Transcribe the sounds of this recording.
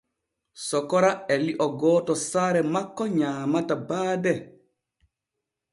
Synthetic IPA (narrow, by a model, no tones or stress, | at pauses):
sɔkɔɾaɛliʔɔɡɔːtɔsaɾɛmakːɔɲaːmatabaːdɛ